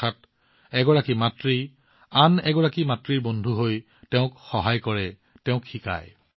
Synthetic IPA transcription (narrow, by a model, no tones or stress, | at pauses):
at̚ | ɛɡɔɹakimatɹi | anɛɡɔɹakimatɹiɹbɔndʱuɦoj | tɛʊ̃kxɔɦajkɔɹɛ | tɛʊ̃kxika̰j